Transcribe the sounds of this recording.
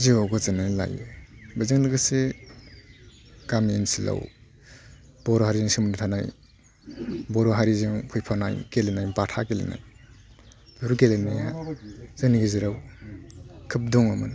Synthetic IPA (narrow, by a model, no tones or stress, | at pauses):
ziawɡɔzanajla̰jebazɯŋlɯɡɯse | kaminsila̰w | b̥ɔɾɔɦaɾizɯŋsimunitʰanaj | bɔɾɔɦaɾizɯŋpʰujpʰana̰jkelenajbatʰakelḛna̰j | buɾukelenijazɯniɡeziɾaw | kʰɯp̚dɔŋamɯn